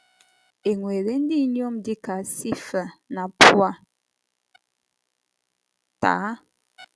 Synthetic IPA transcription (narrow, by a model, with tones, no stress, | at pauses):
e˨ŋwe˨ɾe˨n̩˦di˦njo˦mdi˦ka˨si˦fə˨na˨pwa˦ | ta̰ː˨˦